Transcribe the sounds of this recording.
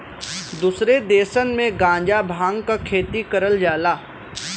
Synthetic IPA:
d̪usɾed̪eːsənmẽɡãːɲd͡ʒabʱãːŋɡkakʰeːt̪ikəɾəld͡ʒaːlaː

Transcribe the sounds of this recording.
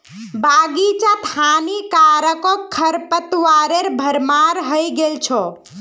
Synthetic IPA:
baɡit͡ʃat̪ʰanikaɾəkɔkʰːəɾpət̪waɾeɾbʱəɾmaɾɦəjɡelt͡ʃʰɔ

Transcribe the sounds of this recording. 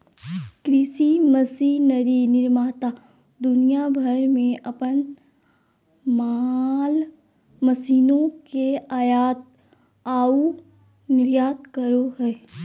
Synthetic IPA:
kɾɪsiməsinəɾinɪɾmaːt̪aː | d̪ʊnijabʱəɾmẽʔɐpən | mal | məsiːnõkeaːjaːt̪̚ | aːu | nɪɾjaːt̪̚kəɾoɦɛː

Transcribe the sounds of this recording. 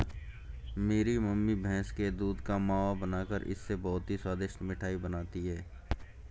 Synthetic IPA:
meːɾiməmːibʱɛ̃ːsked̪uːd̪kamaːʋabənaːkəɾɪ̰sːebɔːʊt̪ɦiswaːd̪ɪʃʈmɪʈʰaːibənaːt̪iɦɛː

